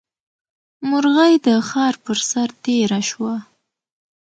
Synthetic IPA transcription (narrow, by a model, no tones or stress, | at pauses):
mʊɾɣajd̪əxɑɾpəɾsaɾt̪eɾaʃwa